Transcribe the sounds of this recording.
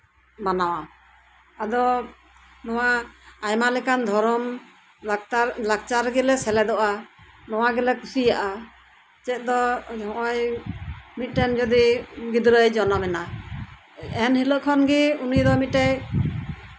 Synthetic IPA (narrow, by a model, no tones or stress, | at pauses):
banawa | ad̪ɔ | nɔwaːjmalɛkand̪ʱɔɾɔm | t̪aɾlak̚t͡ʃaɾɡɛlɛsɛlɛd̪ɔʔa | nɔwaɡɛlɛkusijaʔa | t͡ʃɛt̪̚d̪ɔɔ̃ʔɔj | mit̪̚ˀʈɛnd͡ʒɔd̪iɡid̪ɾəjd͡ʒɔnamɛna | ɛnhiləʔkʰɔnɡɛunijd̪ɔmit̪̚ʈɛj